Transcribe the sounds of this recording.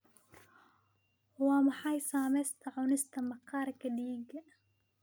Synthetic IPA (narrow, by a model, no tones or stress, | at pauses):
wɑːmɑħɑjsaːmɛjst̪ʰɐʕʊnɪst̪ʰɐmɑqɑːɾkɐdiːɡɐ